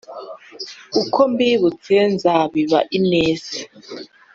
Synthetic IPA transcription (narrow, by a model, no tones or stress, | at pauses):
ukʰombiβut͡senzaβiβa̰ʔineːsi̥